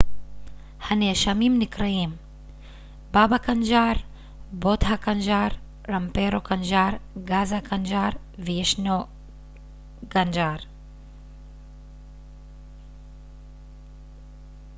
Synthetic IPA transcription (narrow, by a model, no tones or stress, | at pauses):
hɐneʃɐmiːmnikɾɐiːm | baːbakɐnd͡ʒaːɾ | boːd̪ʱakɐnd͡ʒaːɾ | ɾɐmpeːɾokɐnd͡ʒaːɾɡaːzakɐnd͡ʒaːɾ | ʋiʃno | ɡɐnd͡ʒaːɾ